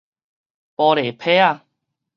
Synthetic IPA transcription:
pɔ˧ɾe˨˩pʰe˦a˧˨

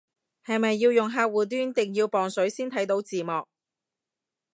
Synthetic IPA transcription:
hɐ˨jmɐ˨jːiː˧wjʊ˨˩ŋɦaː˧k̚wuː˨˩t̪yː˥nt̪ɪ˨˩ŋjiː˧wpɔː˨˩ŋsɵ˨˥ɥsiː˥nt̪ʰɐ˨˥jt̪o˨˥wt͡siː˨mɔː˨k̚

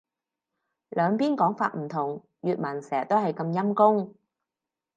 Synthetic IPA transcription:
lœː˨˧ŋpiː˥nkɔː˨˥ŋfaː˧t̚m̩˨˩t̪ʰʊ˨˩ŋ | jyː˨t̚mɐ˨˩nsɛː˨˩t̪o˥whɐ˨jkɐ˧mjɐ˥mkʊ˥ŋ

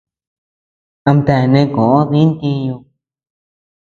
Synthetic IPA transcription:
ã˧mt̪a˧˨nẽ˧kõ˨ʔõ˦ði˦nt̪ĩ˧ɲũ˧

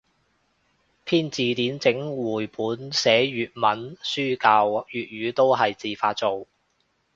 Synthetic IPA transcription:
pʰiː˥nt͡siː˨t̪iː˨˥nt͡sɪ˨˥ŋwuː˨˩jpʰuː˨˥nsɛː˨˥jyː˨t̚mɐ˨˥nsyː˥kaː˧wjyː˨t̚jɥyː˨˧t̪o˥wɦɐ˨jt͡siː˨faː˧t̚t͡so˨w

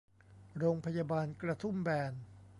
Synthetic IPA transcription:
ɾoː˧ŋpʰa˧jaː˧baː˧nkɾa˧t̪ʰu˥˩˨mbɛː˧n

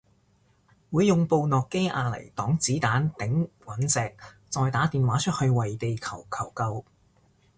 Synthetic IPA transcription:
wuː˨˧jːʊ˨ŋpo˧wnɔː˨kːe˥jʔaː˧lɐ̰˨˩jt̪ɔː˨˥ŋt͡siː˨˥t̪aː˨˥nt̪ɪ˨˥ŋwɐ˨˥nsɛː˨˧k̚ | t͡sɔː˧jt̪aː˨˥t̪iː˨˩nwaː˨˥t͡ʃʰɵ˥t̚hɵ˧ɥwɐ˨jt̪e˨jkʰɐ˨˩wkʰɐ˨˩wkɐ˧w

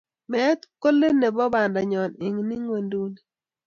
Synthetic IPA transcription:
mɛ˦t̪ko˦le˦ne˨bɔ˦ba˨nda˨ɲɔ˨nɪ˨ŋni˦ŋwe˨ndu˦ni˨

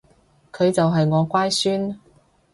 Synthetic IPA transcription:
kʰɵ˨˧ɥt͡sɐ˨wɦɐ˨jŋɔː˨˧kʷaː˥jsyː˥n

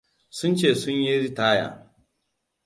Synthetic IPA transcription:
sʊ˦nt͡ʃeː˦˨sʊ˦ɲji˦ɾi˦taː˦ja̰ː˨

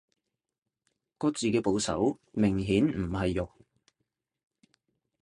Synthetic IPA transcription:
kɔː˧t͡siː˨kɛː˧po˨˧wsɐ̰˨˥w | mɪ˨˩ŋɦiː˨˥nm̩˨˩ɦɐ˨jːʊ˨k̚

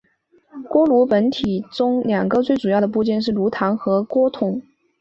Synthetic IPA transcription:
kwɔ˥lu˧˥pə˧˥nt̪ʰi˨˩ʈ͡ʂʊ˥ŋljɑ˨˩ŋɡə˧˦t͡swe˥˩ɪʈ͡ʂu˨˩jɑ˥˩ʊd̪ə˩p̬u˥˧t͡ɕjɛ˥˧nʂ̬ɻ̩˥˩lu˧˥t̪ʰa˧˥nxɤ˧˥kwɔ˥t̪ʰʊ˨˩˦ŋ

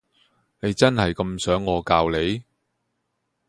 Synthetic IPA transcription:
ne˨˧jt͡sɐ˥nhɐ˨jkɐ˧msœː˨˥ŋːɔː˨˧kaː˧wle˨˧j

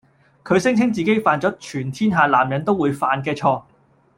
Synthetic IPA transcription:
kʰɵ˨˧ɥsɪ˥ŋt͡sʰɪ˥ŋt͡siː˨ke˥jfaː˨˧nt͡sɔː˨˥t͡ʃʰyː˨˩nt̪ʰiː˥nɦaː˨˧laː˨˩mjɐ˨˥nt̪o˥wu˨˧jfaː˨nk̬ɛː˧t͡ʃʰɔː˧

